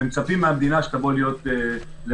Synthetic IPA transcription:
emt͡sapimːeamd̪inaʃe̥t̪abolijo̞t̪e | l

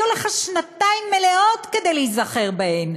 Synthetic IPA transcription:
oleχaʃnataimːeleotkede̞jlejzaχe̞ʁbahen

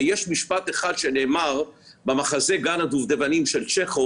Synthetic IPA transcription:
jeʃmiʃpat̪eχad̪ʃene̞ːmaʁ | bemaχaze̞ɡanad̪uvd̪evanimʃelt͡ʃeχo

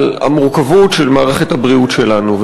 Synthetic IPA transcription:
la̰muʁkavutʃelmaːʁe̞χet̪habʁiutʃelanuv

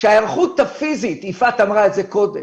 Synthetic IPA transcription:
ʃeajeʁχut̪hafizitifatamʁaetze̞ko̞de

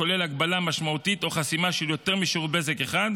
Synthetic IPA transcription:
ko̞le̞laɡbalamaʃmaut̪it̪o̞χasimaʃeljot̪e̞ʁmiʃuʁbezekeχad̪

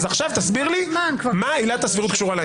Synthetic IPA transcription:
zaχʃavt̪asbiʁliakvmailat̪asviʁut̪kʃuʁala

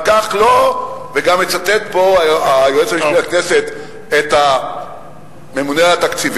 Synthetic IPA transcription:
kaχloveɡamet͡sat̪et̪̚po̞aajoet͡sabibiaknese̞t̪ | et̪a | me̞muneat̪akt͡siv

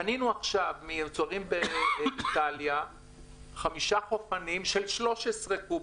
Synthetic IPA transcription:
aninuaχʃavmiemt͡soaʁimbeit̪alja | χamiʃaχo̞fanimʃelʃlo̞ʃesʁeku

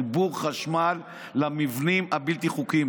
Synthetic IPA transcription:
ibuʁχaʃmalː | amivnimabilt̪iχukim

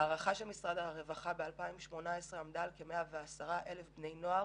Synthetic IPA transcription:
aːʁaχaʃelmisʁad̪aʁevaχabealpaimʃmo̞naesʁeamd̪alkemeaveasaʁaʔe̞lefbne̞jno̞aʁ

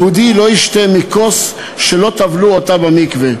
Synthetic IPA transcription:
ud̪ilo̞iʃt̪emikos | ʃelot̪avluot̪abamikve

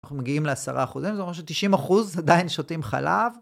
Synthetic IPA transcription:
aumeɡiimleasa̰ʁaːχuzimzeomʃet̪iʃimaχuzad̪ainʃotimχa̰lav

